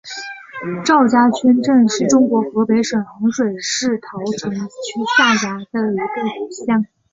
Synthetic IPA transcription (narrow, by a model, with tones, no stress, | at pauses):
ʈ͡ʂɑ˥˩ʊt͡ɕja˥t͡ɕʰɥɛ˥nʈ͡ʂə˥˧nʂɻ̩˥˩ʈ͡ʂʊ˥ŋkwɔ˧˥xɤ˧˥pe˧˥ɪʂwə˨˩nxɑ˧˥ŋʂwe˨˩ɪʂɻ̩˥˩t̪ʰɑ˧˥ʊʈ͡ʂʰɤ˧˥ŋt͡ɕʰy˥ɕʰa˥˩t͡ɕja˥d̪ə˥˩i˧˥ku˥˩tu˨˩ɕjɑ˥˩ŋ